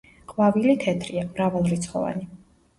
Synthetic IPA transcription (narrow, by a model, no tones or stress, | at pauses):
qʼvavilit̪ʰɛt̪ʰɾiamɾavalˠɾit̪sʰχɔ̰va̰ni